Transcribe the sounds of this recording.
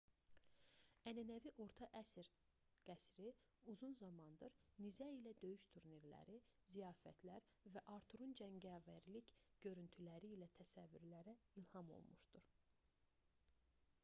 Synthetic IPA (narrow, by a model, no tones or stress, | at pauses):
ænænæviʔo̞ɾt̪ʰɑʔæsɾ | ɡ̥æsɾi | uzunzɑmɑnd̪ɯɾnizæilæd̪ø̞jyʃt̪ʰuɾniɾlæ̰ɾizijɑːfæt̪ʰlæɾ | væʔɑɾt̪ʰuɾund͡ʒæɲɟævæɾlicɟ̥ø̞ɾynt̪ʰylæɾiːlæt̪ʰæsævːyɾlæɾæilhɑmo̰lˠmuʃd̪uɾ